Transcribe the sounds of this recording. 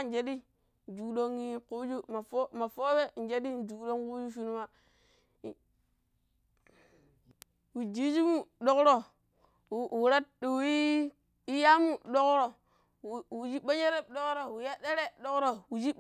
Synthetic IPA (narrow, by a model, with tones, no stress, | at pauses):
n˦d͡ʒe˨di˦ | n˨d͡ʒu˨kdo˦ŋi˦ku˦d͡ʒu˦ma˨fo˦ma˨fo˦we˦n˨d͡ʒe˦di˦n˨d͡ʒu˨kdo˦ŋku˦d͡ʒu˦fu˦nu˦ma˨ | wu˨d͡ʒi˦d͡ʒi˦mu˦ɗo˦kɾo˨ | u˨ɾa˦tɗu˨wi˦ | i˦ja˦mu˦ɗo˦kɾo˨ | wu˨d͡ʒi˦ɓa˦d͡ʒe˦ɾe˦ɗo˦kɾo˨wu˨ja˦de˦ɾe˦ɗo˦kɾo˨wu˨d͡ʒi˦